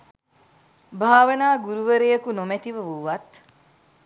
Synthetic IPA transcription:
bʱaːʋɐnaːɡuɾuʋəɾejɐkunomet̪iʋɐʋuʋɐt̪

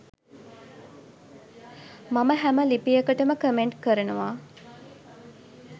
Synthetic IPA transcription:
maməɦæməlipijəkəʈəməkəmeɳʈkəɾənuʋa

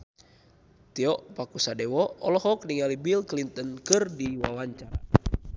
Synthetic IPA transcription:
t̪iɔʔpakusadɛwɔɔlɔɦɔk̚niŋalibilklint̪ɔnkɨrdiwawaɲt͡ʃaɾa

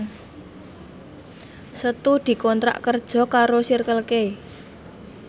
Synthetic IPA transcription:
sət̪ud̪̥i̤kɔnt̪ɾa̰ʔkərd̥ʒ̥ɔ̤kaɾosirkəlkei

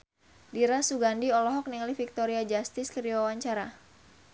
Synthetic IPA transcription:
diɾasuɡandiɔlɔɦɔk̚niŋlifik̚t̪ɔɾiad͡ʒast̪ɪskəɾiawaɲt͡ʃaɾa

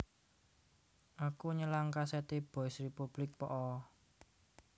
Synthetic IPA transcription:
ʔakuɲəlaŋkasɛt̪eb̥ɔɪsripub̥lɪk̚pɔʔɔ

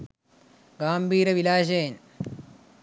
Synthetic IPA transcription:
ɡaːmbʱiːɾɐʋilaːʃɐjn

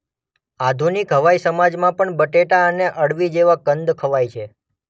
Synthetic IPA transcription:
ad̪ʱunikɦəʋaisəmad͡ʒmãpəɳbəʈeʈaəneʔəɽʋid͡ʒeʋakənd̪kʰəʋajt͡ʃʰe

